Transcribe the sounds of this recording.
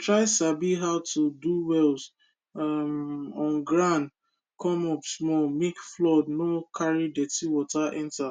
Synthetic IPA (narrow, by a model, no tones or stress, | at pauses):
tɹaɪsabiɦaʊtuduwɛls | amɔ̃nɡɹãn | kʰɔ̃mɔpsmɔlmekflɔdnokʰaɹidɛtiwɔtaʔɛ̃nta